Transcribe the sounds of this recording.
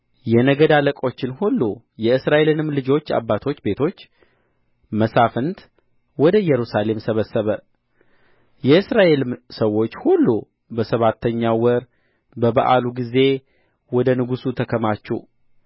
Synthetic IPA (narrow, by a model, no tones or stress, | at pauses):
jɛnəɡəd̪aləkʼo̞t͡ʃːɪnhulːu | jɛɨsɾaʔe̞lɨnɨmlɨd͡ʒo̞t͡ʃːa̰bːat̪ʰo̞t͡ʃːbe̞t̪ʰo̞t͡ʃː | məsafənt̪ | wɔd̪əjɛɾusale̞msəβəsːəβə | jɛɨsɾaʔe̞lɨmsəwːo̞t͡ʃːhulːu | bəsəβat̪ʰːəɲːawəɾ | bəbaʔa̰luɡize̞ | wɔd̪ənɨɡusut̪ʰəkʰəmat͡ʃːɛ̰